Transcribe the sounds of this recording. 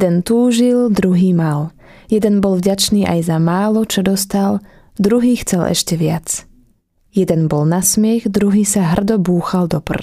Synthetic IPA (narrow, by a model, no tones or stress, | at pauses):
jd̪ɛnt̪uːʒild̪ɾuɦiːmal | jɛd̪ɛnbɔlvɟat͡ʃniːʔa̰jzamaːlɔt͡ʃɔd̪ɔst̪al | d̪ɾuɦiːxt͡sɛlʔɛ̰ʃcɛʋɪat͡s | jɛd̪ɛnbɔlnasmɪɛɣd̪ɾuɦiːsaɦr̩d̪ɔbuːxald̪ɔpr̩